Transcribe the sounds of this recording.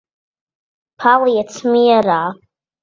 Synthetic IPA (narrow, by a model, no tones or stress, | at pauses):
pʰaljat͡sʰmɨjara